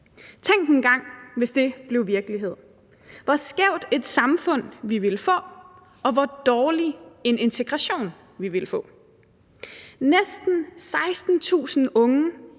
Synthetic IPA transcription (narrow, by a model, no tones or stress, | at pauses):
t͡sʰeŋ̰d̥enɡ̥ɑ̈ŋ̰ʋe̝sd̥e̝b̥le̝ʊʋiɐɡ̥əliɦe̝ð̰ˠ | ʋɒsɡ̥ɛʊ̰d̥e̝d̥sɑ̈mfɔ̽n̰ʋiʋe̝ləfɔ̰̽ː | ɒ̽ʋɒd̥ɒːlie̝ne̝nt͡sʰe̝ɡ̥ʁɑɕo̝̰ːn | ʋiʋe̝lfɔ̰̽ː | nesd̥n̩sɑ̈ɪsd̥n̩t͡sʰṵːsn̩ɔ̽ŋə